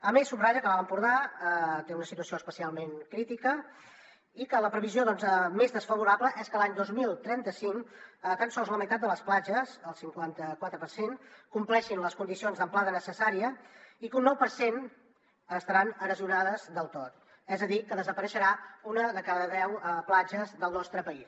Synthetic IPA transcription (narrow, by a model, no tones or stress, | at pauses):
əmesːubraʒəkəβaləmpuɾðat̪eunəsit̪uəsioəspəsialˠmeŋkɾit̪ikə | ikələpɾəβizioðɔnzəmezðəsfəβuɾaβləʔɛskəlaɲd̪ozmilˠt̪ɾɛnt̪əsiŋkət̪ənsɔlˠzləməit̪at̪̚d̪ələsplad͡ʒəzəlˠsiŋkwant̪əkwat̪ɾəpəɾsenkumplɛʃinləskund̪isionzðəmplaðənəsəsaɾiəikunːɔwpəɾsen | əst̪əɾanəɾəziunað̞əzðəlˠt̪ot̪̚ | ɛzəðikəðəzəpəɾəʃəɾaunəðəkaðəðɛwəplad͡ʒəzðəlˠnɔst̪ɾəpəis